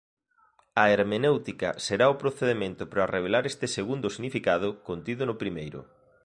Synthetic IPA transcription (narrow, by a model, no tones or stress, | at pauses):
ɐeɾmenewt̪ikɐ̰seɾaopɾoθeðemẽnt̪ʊpɾareβ̞elaɾest̪ɪseɣund̪ʊsiɣnifikaðʊkont̪iðʊnʊpɾimejɾʊ̰